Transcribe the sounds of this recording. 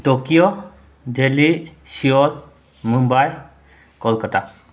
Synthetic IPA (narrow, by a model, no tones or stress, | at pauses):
tɔkiɔ | delisiɔl | mumbaj | kɔlkɔta